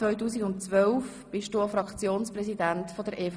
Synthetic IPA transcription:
ʋœʏtuːsiɡʊnt͡sʋœlf | b̥ɪʃduːafɾɑkχt͡sjoːnspɾɛsidæntfɔdəɾʔeːf

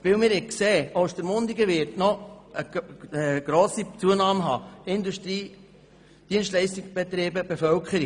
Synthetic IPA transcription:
ʋɪlmɪɾɪkseːoʊsd̥̪əɾmʊnd̪iɡəʋɪɾtnɔəəɡ̥ɾoːsit͡suənɑːmɦɑ̰ːɪnd̪uʃtɾiː | d̥iənstlɛɪstikb̥ɛt̪ɾeːbəb̥efœlkʰχəɾi

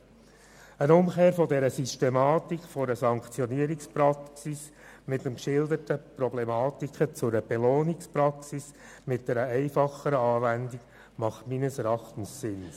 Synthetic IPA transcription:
ənʊmkeːɾfɔdɛɾəsystɛmɑːtikχfɔɾəsɑŋkt͡sjɔniːəɾikspɾɑksis | mɪtəmkʃɪldətəpɾɔblɛmɑːt̪ikχət͡sʊɾəb̥ɛloːnikspɾɑksis | mɪt̚d̥ɛɾəɛɪfɑχəɾəɑːvændik | mɑχtminəsɾɑχtn̩sːɪns

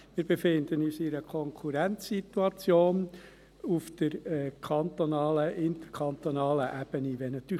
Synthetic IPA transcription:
mɪːɾb̥efɪnd̪ənyːsɪɾəkʰɔŋkʰuɾænt͡ssit̪uɑt͡sjoːn | ufd̥əɾɛkʰɑnt̪onɑːləʔɪnt̪əɾkʰɑnt̪onɑːləʔæb̥əniʋɛnɑt̪yː

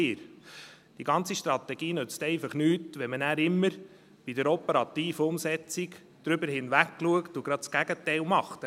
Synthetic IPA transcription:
ɪːɾ | d̥iɡɑnt͡siʃtɾɑt̪ɛɡ̥iːnʉt͡stɛɪfɑχnyːtʋɛmənæːɾɪmːəɾ | b̥idəɾɔpəɾɑt̪iːfəʊmsɛt͡sik | d̥ɾʏbəɾhɪnʋækːluəktʊɡ̥ɾɑt̚t͡sɡ̥æɡ̥ətɛɪlmɑχt̪

